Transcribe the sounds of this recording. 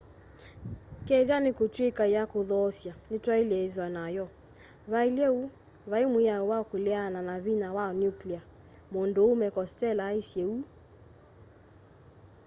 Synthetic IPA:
kɛɣanekotwekaijakoðɔːsjanetwaelɛðwanajɔ | βaelɛu | βaemwiaowaɔkoleananaβinawaɔnjuklia | mondoːmɛkɔstɛlaesjeu

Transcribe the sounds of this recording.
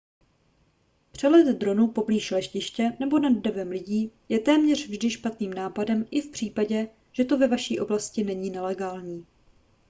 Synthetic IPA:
pr̥ɛlɛt̪d̪ɾo̞nupo̞bliːʃlɛʃcɪʃcɛnɛbo̞nadːɛvɛmlɪɟiːjɛt̪ɛːmɲɛr̝̥vʒdɪʃpat̪niːmnaːpadɛmɪfpr̝̥iːpaɟɛ | ʒ̥ɛt̪o̞vɛvaʃiːʔo̞blascɪnɛɲiːnɛlɛɡaːlɲiː

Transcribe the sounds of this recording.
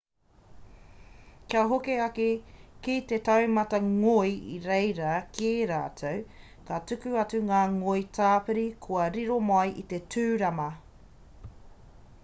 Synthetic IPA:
kiɐɦokeɐkekit̪etawmɐtɐŋojḭɾejɾɐkeɾa̰ːtʰow | katʉkʉɐt͡sʉŋaːŋojtʰaːpɨɾikʰoɐɾiɾomajʔit̪etʰʉːɾɐmɐ

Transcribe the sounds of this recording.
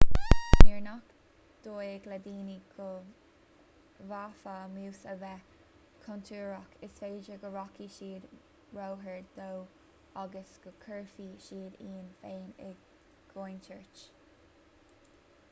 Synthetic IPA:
miɹnak | d̪̥oːɪɡlɛd̪iːniɡə | vaːfamuːsəvɛ | kʰɔnt̪ʰuːɹɔkɪsfeːd͡ʒəɡəɹɔkiʃiːd̪ | ɹowɦəɹd̪̥ow | aɡəsɡ̥əkʰɜɹfiʃiːd̪iːnfeːnɛ̰ɡ | ɡ̥ojnt͡ʃʰəɹt͡ʃ

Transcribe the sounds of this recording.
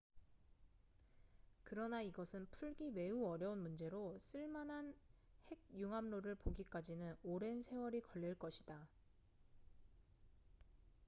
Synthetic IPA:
kɯɾʌnaiɡʌsʰɯnpʰuɭɡime̞uʌɾjʌunmund͡ʑe̞ɾos͈ɯɭmanɦanhe̞ɡ̚juŋɦamnoɾɯɭpoɡik͈ad͡ʑinɯnoɾe̞nsʰe̞wʌɾikʌʎːiɭk͈ʌɕʰid̥a

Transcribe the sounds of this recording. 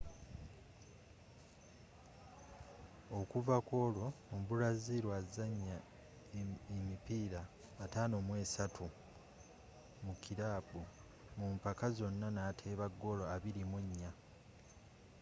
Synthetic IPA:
o̞kuvako̞ːlo̞ombulaziɾwazaɲːa | emipiːɾaː | taːno̞ːmwe̞ːsatʰu | mukiɾaːbu | mumpakazo̞nːanaːtʰeːβaɡːo̞lo̞aβiɾimuɲːa

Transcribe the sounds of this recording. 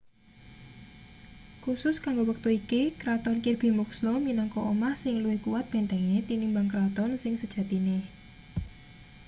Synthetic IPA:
kusʊskaŋɡowək̚t̪uikikɾat̪ɔnkirb̥i̤mukslɔminaŋkɔʔomahsɪŋluwɪhkuwat̪̚b̥e̤nt̪ɛŋɲet̪inɪmbaŋkɾat̪ɔnsɪŋsəd̥ʒ̥a̤t̪ine

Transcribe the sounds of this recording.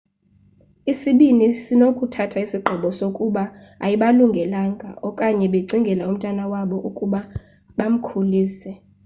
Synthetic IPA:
isiɓinisinokʼutʰatʰaisiɡ͡ǃʱɔɓɔsokʼuɓaa̰jiɓaluŋɡʱɛlaːŋɡʱa̰ʔɔkʼaɲɛɓeǀiŋɡʱɛlaum̩tʼwanawaɓɔʔukʼuɓa | ɓam̩kʰuliːsɛ

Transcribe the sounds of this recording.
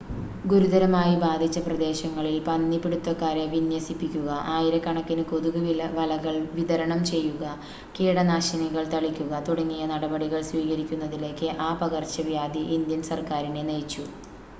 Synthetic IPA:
ɡuɾud̪ɐɾɐmaːjibaːd̪ʱit͡ɕːɐprɐd̪e̞ːɕɐŋːɐɭilpɐnːipiɽut̪ːɐkːaːɾeʋinjɐsipːikʲːuɣɐʔaːjiɾɐkːɐɳɐkːinɨkoðuɣuʋilɐʋɐlɐɣɐɭʋiðɐɾɐɳɐmt͡ɕe̞jːuɣɐ | kiːɽɐnaːɕɐniɣɐɭt̪ɐɭikʲːuɣɐt̪uɽɐŋːijɐnɐɽɐbɐɽiɣɐɭsʋiːɣɐɾikʲːunːɐðile̞ːkːɨʔaːpɐɣɐrt͡ɕːɐʋjaːd̪iʔind̪jɐnsɐrkaːɾine̞nejt͡ɕːu

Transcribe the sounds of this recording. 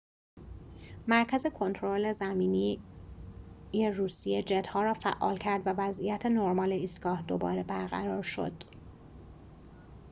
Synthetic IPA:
mæɾcʰæze̞kʰo̞nt̪ʰoɾole̞zæmiːniː | jeruːsijed͡ʒed̪hɒːɾɒːfæ̰ʔːɒ̰ːlcʰæɾd̪vævæzʔijæt̪ʰe̞noɾmɒːleiːst̪ɡɒːhd̪o̞bɒ̰ːɾe̞bæɾɣæ̰ɾɒːɾʃo̞̰d̪̥

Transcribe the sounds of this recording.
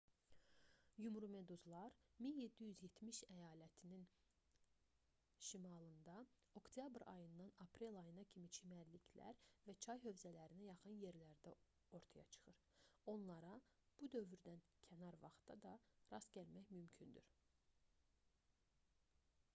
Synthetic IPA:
jumɾume̞d̪uzlˠɑɾminje̞d̪ːijyzje̞t̪ʰmiʃæjɑːlæt̪ʰinin | ʃimɑlˠɯnd̪ɑ | o̞kt̪ʰjɑbɾɑ̰jɯnd̪ɑnɑpʰɾe̞lˠɑjɯnɑcʰimit͡ʃʰimæɾlicʰlæ̰ɾvæt͡ʃʰɑjɦø̞vzælæɾinæjɑχɯnje̞ɾlæɾd̪æ | o̞ɾt̪ʰɑjɑ̰t͡ʃʰɯ̥χɯɾ | o̞nlˠɑɾɑ | b̥ud̪ø̞vyɾd̪æn | cʰænɑɾvɑ̰χt̪ɑ̰d̪ɑɾɑsɟælmæçmymcʰynd̪y̰ɾ

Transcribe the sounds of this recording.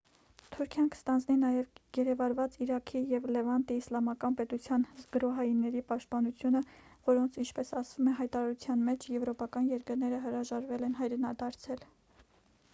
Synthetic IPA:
t̪ʰuɾkʰjɑnkə̥st̪ɑnd͡zninɑjɛvɡ̥ɛɾɛvɑɾvɑt͡siɾɑkʰijɛvlɛvɑnt̪iːslɑmɑkɑnpɛt̪ut͡sʰjɑnzɡəɾɔɦɑjinːɛɾipɑʃt̪̚pɑnut͡sʰjunəvɔɾɔnt͡sʰint͡ʃʰpɛsɑsvumɛɦɑjt̪ɑɾɑɾut͡sʰjɑnmɛt͡ʃʰjɛvɾɔpɑkɑnjɛɾkəɾn̪ɛɾəɦəɾɑʒɑɾvɛlɛnɦɑjɾɛnɑd̪ɑɾt͡sʰɛl

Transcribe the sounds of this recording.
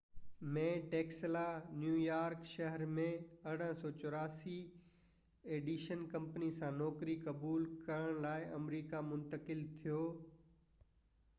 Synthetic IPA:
mẽːʈeːkslanjuːjaːɾkʃɐɦəɾmẽɐɽ̤ə̃sɔːt͡ɕʊɾaːsi | eːɖiːʃənkɐ̃mpnisãnɔːkɾikɐbuːlkɐɾəɽ̃laːɪʔɐmɾiːkamʊ̃nt̪əkɪlt̪ʰijoː

